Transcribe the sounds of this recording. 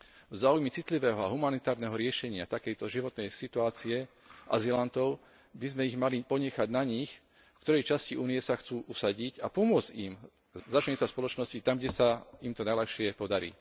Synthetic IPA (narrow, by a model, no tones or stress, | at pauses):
vzaːujmɛt͡sit̪liʋɛːɦɔaɦumanit̪aːɾnɛɦɔɾɪɛʃɛɲɪat̪akɛjt̪ɔʒiʋɔt̪nɛjsit̪uaːt͡siɛ | ʔa̰zilant̪ɔʊ | bizmɛiɣmalipɔɲɛxaɟnaɲix | fkt̪ɔɾɛjt͡ʃasciʔuːnijɛsaxt͡suːʔusaɟicapɔmʊɔd͡zim | zat͡ʃɛɲɛsaspɔlɔt͡ʃnɔscit̪amɡɟɛsaimt̪ɔnajlɛxʃɪɛpɔd̪aɾḭː